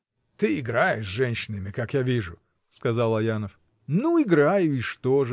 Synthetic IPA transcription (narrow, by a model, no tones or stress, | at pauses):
t̪ɨɪɡɾajɪʂʐɛnʲɕɪnɨmʲɪkakjavʲiʐʊ | skɐzalˠɐjanəf | nuɪɡɾajʊɪʂt̪oʐɨ